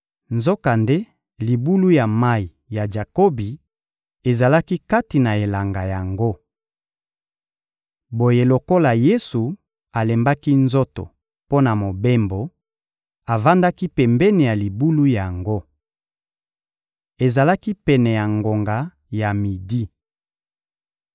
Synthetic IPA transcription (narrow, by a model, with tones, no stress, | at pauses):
nzo˦ka˨nde˦ | li˨bu˦lu˦ja˨ma˦i˨ | ja˨d͡ʒa˨ko˦bi˨ | e˨za˨la˦ki˦ka˦ti˨na˨e˨la˨ŋɡa˨ja˨ŋɡo˦ | bo˨je˨lo˨ko˦la˨je˦su˨ | a˨le˨mba˦ki˦nzo˦to̰˨ | po˦na˨mo˨be˦mbo˨ | a˨va˦nda˦ki˦pɛ˨mbɛ˦ni˨ja˨li˨bu˦lu˦ja˨ŋɡo˦ | e˨za˨la˦ki˦pɛ˨nɛ˨ja˨ŋɡo˨ŋɡa˨ | ja˨mi˨di˦